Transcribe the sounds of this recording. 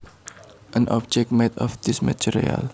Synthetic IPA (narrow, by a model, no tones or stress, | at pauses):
ʔə̃nʔɔbd͡ʒɛk̚tmetɔfd̪̥ismatʰiɾḭə̰l